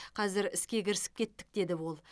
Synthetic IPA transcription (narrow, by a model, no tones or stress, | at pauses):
qʰɑzɪɾɪskʲe̞kʲɪɾɪsɪ̥p̚kʲʰe̞t̪ːɪ̥k̚d̪e̞d̪ɪwo̞lˠ